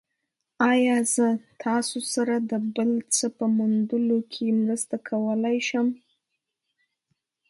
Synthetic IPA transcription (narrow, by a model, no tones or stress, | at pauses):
ɑjɑzət̪ʰɑsosaɾad̪əbəlt͡səpəmund̪əlokʰemɾəst̪akʰawəlajʃəm